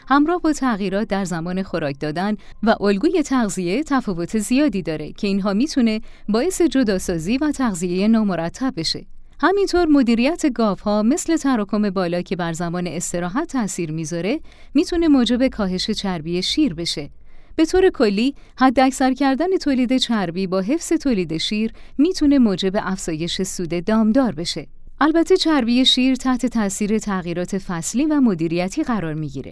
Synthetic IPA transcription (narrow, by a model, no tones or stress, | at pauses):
hæmɾɒːhbɒːt̪ʰæɣiːɾɒːt̪̚d̪æɾzæmɒːne̞xo̞ɾɒːc̚ʰd̪ɒːd̪ænvæʔolɡuːje̞t̪ʰæɣzie̞t̪ʰæfɒːvo̞t̪ʰe̞zijɒːd̪iːd̪ɒːɾe̞̰cʰe̞inɦɒːmiːt̪ʰune̞bɒːje̞se̞d͡ʒo̞d̪ɒːsɒːziːvæt̪ʰæɣzije̞jenɒːmoɾæt̪ʰːæb̚bːe̞ʃe̞̰ | hæmint̪ʰoɾmo̞d̪iːɾijæt̪ʰe̞ɡɒːvhɒːme̞sle̞t̪ʰæɾɒːkʰo̞me̞bɒːlɒːcʰe̞bæɾzæmɒːneːst̪e̞ɾɒːɦæt̪ʰːæsiːɾmiːzɒːɾe̞ | miːt̪ʰune̞moːd͡ʒe̞be̞kʰɒːɦe̞ʃe̞t͡ʃʰæɾbije̞ʃiːɾbe̞ʃe̞ | b̥e̞t̪ʰoːɾe̞kʰo̞lːiː | hæd̪ːeæcsæɾcʰæɾd̪æne̞t̪ʰoːliːd̪e̞t͡ʃʰæɾbiːbɒːɦe̞fse̞t̪ʰoːliːd̪e̞ʃiːɾ | miːt̪ʰune̞moːd͡ʒe̞be̞ʔæfz̥ɒːje̞ʃe̞suːd̪e̞d̪ɒːmd̪ɒːɾbe̞ʃe̞ | ʔælbæt̪ʰːe̞t͡ʃʰæɾbije̞ʃiɾt̪ʰæht̪ʰe̞t̪ʰæʔsiːɾe̞t̪ʰæɣiːɾɒːt̪ʰe̞fæsliːvæmod̪iːɾijæt̪ʰiːɣæɾɒːɾmiɟḭɾḛ